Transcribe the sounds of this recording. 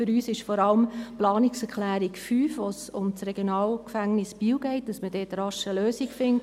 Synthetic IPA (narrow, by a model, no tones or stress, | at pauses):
fʏɾyːsɪʃfɔɾɑləmplɑːnɪksɛɾklæːɾikfyːfʋosʊmt͡srɛɡjonɑːlkfæŋnɪsb̥iːwɡɛɪt̚d̥ɑsmədɛːtɾɑʃəløːsikfɪnt